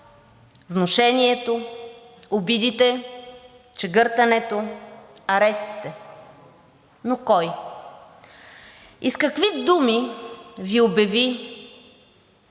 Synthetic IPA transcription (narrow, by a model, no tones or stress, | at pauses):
vnoʃɛnʲiɛt̪o | obid̪it̪ɛ | t͡ʃɛɡɤɾt̪ɐnɛt̪o | ɐɾɛst̪i̥t̪ɛ | nokɔj | iskɐkvid̪umiviobɐvi